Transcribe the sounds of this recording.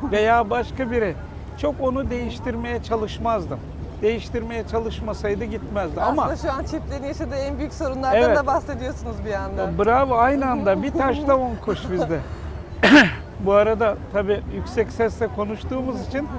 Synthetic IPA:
ve̞jaːbaʃkabiɾɛ | t͡ʃʰo̞ko̞nud̪e̞jiʃt̪ʰiɾme̞jɛt͡ʃʰalˠɯʃmazd̪ɯm | d̪e̞jiʃt̪ʰiɾme̞jɛt͡ʃʰalˠɯʃmasajd̪ɯɟit̪mɛzd̪iamaaʃuant͡ʃʰɛplʲenijaʃad̪ɯːænbyjycʲso̞ɾunlˠaɾdɛavɛd̪abahse̞d̪ijo̞sunuzbijand̪abɯɾavɯajnɯand̪abit̪ʰaʃlˠaonkʰoʃbid̪ɛ | buaɾad̪at̪ʰabiːjykʲsɛcsɛst̪ɛkʰo̞nuʃt̪uːmuzit͡ʃʰin

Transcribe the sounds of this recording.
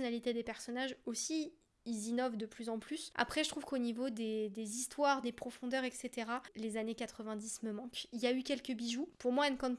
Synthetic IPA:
ɔnalit̪ed̪epɛʁsɔnaʒosi | ilzinɔvd̪əplyzɑ̃plysa̰pχɛʒət̪χuv̥konivod̪ed̪ezist̪waʁd̪epχɔfɔ̃d̪œʁɛkset̪eʁalezanekat̪χəvɛ̃d̪isməmɑ̃kiljaykʲɛlkəbiʒupuʁmwaɛlnəkɔ̃t̪

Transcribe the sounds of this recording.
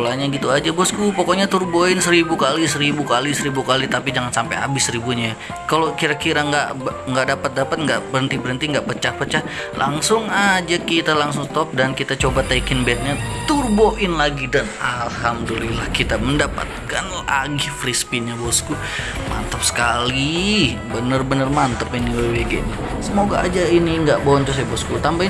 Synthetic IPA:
ulaɲaɡit̪uad͡ʒabɔskupɔkɔɲat̪urboɪnsəɾibukalisəɾibukalisəɾibukalit̪apid͡ʒaŋansampa̰ja̰bɪsəɾibuɲa | kalokiɾakiɾaŋɡaʔbŋɡaʔdapat̪̚dapat̪̚ŋɡaʔbəɾənt̪ibəɾənt̪iŋɡaʔpət͡ʃahpət͡ʃah | lʔa̰ŋsʊŋad͡ʒakit̪alaŋsʊŋt̪ɔp̚dankit̪at͡ʃobat̪aikɪnbɛt̪̚ɲat̪urboʔɪnlaɡidanalhamdulilahkit̪aməndapa̰t̪̚kan | aɡihfɾispiɲabɔsku | mʔa̰nt̪əp̚sə̥kalibənərbənərmant̪əpiniweweɡḛʔni | səmoɡaːd͡ʒainiŋɡaʔboɲt͡ʃɔsɛbɔskut̪amba

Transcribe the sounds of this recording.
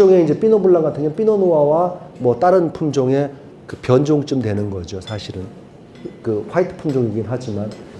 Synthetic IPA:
oŋe̞ind͡ʑe̞p͈inobuɭːanɡatʰɯŋɲʌnp͈inonowawamwʌt͈aɾɯnpʰumd͡ʑoŋe̞ | kɯpjʌnd͡ʑoŋt͡ɕ͈ɯmdwe̞nɯnɡʌd͡ʑosʰaɕʰiɾɯn | kɯɸwaitʰɯ̥pʰumd͡ʑoŋiɡinɦad͡ʑiman

